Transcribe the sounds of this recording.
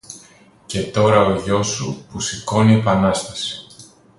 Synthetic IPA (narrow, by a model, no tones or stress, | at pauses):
ce̞t̪o̞ɾɐo̞ʝo̞supusiko̞niepɐnɐst̪ɐsi̥